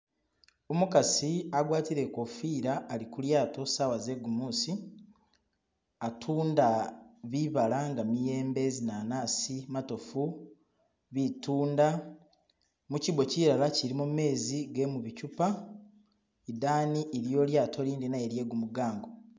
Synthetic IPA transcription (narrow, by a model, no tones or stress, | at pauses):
omukasiaɡwaːtiɾe̞ko̞fiːɾaːlikuljaːto̞sawaze̞ɡumuːsi | atʰuːndaβiβalaŋɡamije̞ːmbe̞zinaːnaːsimato̞fu | βituːnda | muciβo̞ciɾalaciɾimume̞ːziɡe̞muβicupa | idaːniʔeɾjo̞ːljaːtʰo̞liːndinajeɾje̞ɡumuɡaːŋɡo